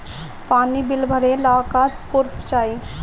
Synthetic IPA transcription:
paːnibɪlbʱəɾelaːkaːt̪pʊɾpʰt͡ʃaːi

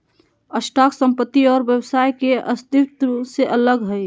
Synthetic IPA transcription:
əsʈaːksə̃mpət̪ːiɔːɾbjəwsaːjkeəst̪ɪt̪seʔələɡɦə

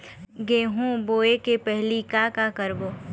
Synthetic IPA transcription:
ɡeːɦõboːekepɛɦlikakakəɾboː

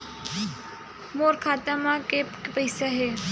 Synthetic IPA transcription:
moːɾkʰaːt̪amãke | pəɪsaɦeː

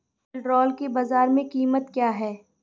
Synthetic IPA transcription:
lɖɾɔːlkebaːzaːɾmẽkiːmət̪kjaːɦɛː

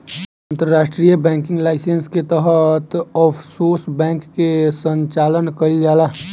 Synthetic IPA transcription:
ə̃nt̪əɾɾaːʃʈɾijəbɛ̃ːŋkɪ̃ŋɡlaːɪsensket̪əɦət̪ɔːfʰsoːsbɛ̃ːkːesə̃ɲt͡ʃaːlənkəid͡ʒaːlaː

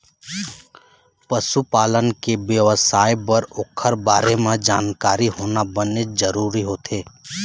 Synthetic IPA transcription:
pəʃupaːlənkebjəʋəsaːjbəɾʊkʰəɾbaːɾemẽd͡ʒaːnkaːɾiɦoːnabənezəɾuːɾiɦoːt̪ʰeː

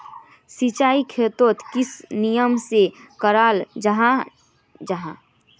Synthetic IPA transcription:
sit͡ʃaːikʰet̪oːt̪kɪsnijəmsekəɾaːld͡ʒɦa | d͡ʒaɦã

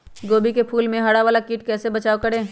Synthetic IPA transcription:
ɡoːbikepʰuːlmẽɦɐɽaʋaːlakiːʈkɛːsebɐt͡ʃaːokɐɾẽː

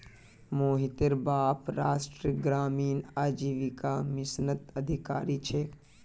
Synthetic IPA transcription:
moːɦit̪eɾbaːpɾaːsʈɾiɡɾaːmiːnaːd͡ʒiːʋikamɪsnət̪ɐd̪ʱika̰ːɾiːt͡ʃʰeː

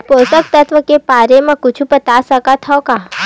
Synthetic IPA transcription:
posək̚t̪ət̪ʰʋəkepaɾemãkʊt͡ʃʰupət̪asəkat̪ʰaoka

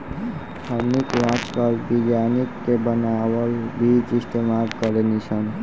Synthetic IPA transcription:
həmnikɾat͡ʃkəlbid͡ʒanikːebənaʋəlbʱid͡ʒɪst̪emalkəɾenit͡ʃʰən

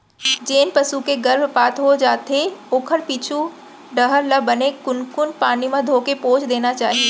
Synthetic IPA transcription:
d͡ʒeːnpɐsukeɡɐɾbpaːt̪ɦod͡ʒaːt̪eoːkʰəlpiːt͡ʃʰu | ɖəɦəɾləbənekʊnkʊnpaːnimẽd̪ʱoːkepoːt͡ʃd̪eːnat͡ʃaːɦieː

